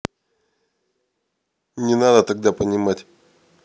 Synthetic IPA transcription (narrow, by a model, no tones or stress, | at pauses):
nʲɪnad̪ət̪aɡ̚d̪apənʲɪmatʲ